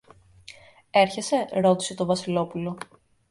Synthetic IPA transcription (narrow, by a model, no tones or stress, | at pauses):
e̞ɾçe̞se̞ɾo̞t̪i̥se̞t̪o̞vɐsilo̞pulo̞